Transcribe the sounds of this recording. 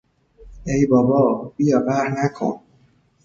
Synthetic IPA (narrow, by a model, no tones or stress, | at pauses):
ejbɒːbɒːbijɒːvæɾnækʰo̰n